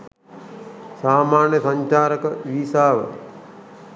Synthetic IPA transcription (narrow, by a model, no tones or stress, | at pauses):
saːmaːnjəsɐɲt͡ʃaːɾəkəʋiːsaːʋə̰